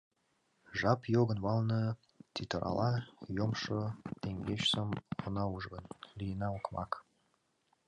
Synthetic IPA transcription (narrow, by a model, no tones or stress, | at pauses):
ʒɑpjoɣə̆nβɑlnə | t̪ʲit̪oɾʔɑ̰lɑjomʃot̪eŋɡet͡ɕsəmonɑuʒɣənlijənɑukmɑ̰k